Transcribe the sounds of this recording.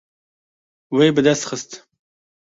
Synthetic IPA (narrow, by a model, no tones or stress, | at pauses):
wejbɨd̪ɐst̪xəst̪